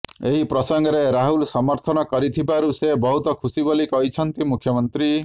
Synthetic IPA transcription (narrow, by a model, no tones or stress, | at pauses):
eɦipɾɔsɔŋɡɔɾeɾaɦulsɔmɔɾt̪ʰɔnɔkɔɾit̪ʰibaɾusebɔɦut̪ɔkʰusibolikɔɦit͡ʃʰɔnt̪imukʰjɔmɔnt̪ɾi